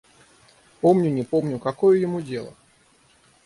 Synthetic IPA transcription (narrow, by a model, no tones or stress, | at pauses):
pomnʲʊnʲɪpo̞mnʲʊkɐkojəjɪmudʲe̞lˠə̰